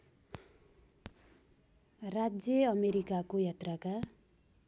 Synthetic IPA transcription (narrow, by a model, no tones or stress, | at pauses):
rad͡zjʌʌmeɾikakojat̪rʌka